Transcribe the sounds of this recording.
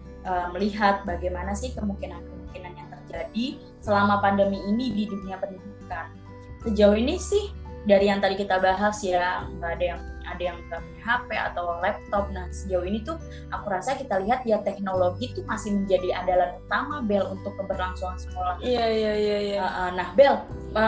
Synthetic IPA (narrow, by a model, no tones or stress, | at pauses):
ʔəːməliɦat̪̚baɡajmanasɪhkəmuŋkinankəmuŋkinanjaŋt̪ərd͡ʒadi | səlamapandəmiːnididuniapənibukan | səd͡ʒauinisɪhdaɾijaŋt̪adikit̪abaɦasjaɡadajaŋa̰dajaŋtəmiɦapea̰t̪awlɛp̚t̪ɔp̚nahsəd͡ʒauinit̪u | ʔakuɾasakit̪aliɦat̪̚jat̪ɛk̚noloɡit̪umasɪhməɲd͡ʒadiadalanpərt̪amabɛlunt̪ʊkːəbərlaŋsuŋansə̥kolahjajajaəʔənahbɛl | ə